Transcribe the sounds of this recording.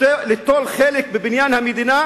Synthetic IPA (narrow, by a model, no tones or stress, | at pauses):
elet̪olχelek̚bebɪnjanhamed̪ina